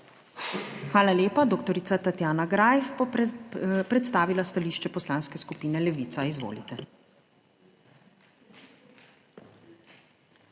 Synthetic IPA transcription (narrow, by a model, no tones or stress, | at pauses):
xʋaːlaljeːpad̪okt̪ɔɾit̪sat̪at̪jaːnaɡɾajf | pɾɛt̪st̪aːʋilast̪aliːʃt͡ʃɛpɔslaːnskɛskupiːnɛlɛʋiːt̪saizʋo̰ːlit̪ɛ